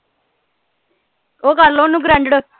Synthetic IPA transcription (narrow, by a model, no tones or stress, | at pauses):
oːkəɾlõːnũːɡɾɛ̃ɳɖɽo